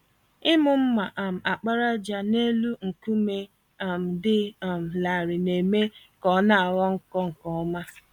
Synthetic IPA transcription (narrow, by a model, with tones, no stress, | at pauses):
ɪ˦mʊ˨m̩˦ma˨ʔa˨m̩˨a˨k͡pa˦ɾa˦d͡ʒa˦ne˦lu˦ŋ̩˨ku˦me˦ | a˨m̩˨dɪ˦˨m̩˨la˨ɾɪ˨ne˨me˦ | kɔ˨˦na˦a˨wɔ˦ŋ̩˦kɔ˦ŋ̩˨kɔ˦ɔ˦ma˦